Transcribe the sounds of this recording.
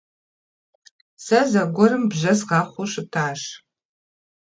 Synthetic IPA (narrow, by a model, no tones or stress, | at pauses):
sɐzɐɡʷɔɾɨmbʒɐsʁɑːχʷʊʃɨp̚tʰaːʃ